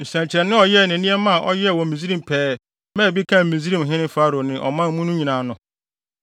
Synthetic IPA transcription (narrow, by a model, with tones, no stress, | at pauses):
n̩˨sɛ̃˨nt͡ɕʰɛ˨nːɪ̃˦ɔ˨jɛ˦˨næ̃˨nĩ˦ɛ˦mã˦˨ʔɔ˦jɛ˦˨wɔ̃˨mĩ˨zi˦ɾĩ˦˨m˨pʰɛː˨˦ | mɛ̃˦˨bi˦kʰã˦˨ĩ˨zi˦ɾĩ˦mɦɪ̃˦nɪ̃˦fa˦ɾo˨nɪ̃˨ʔɔ̰˨mã˦m˦mũ˦nʊ̃˦ɲĩ˨nã˨nʊ̃˨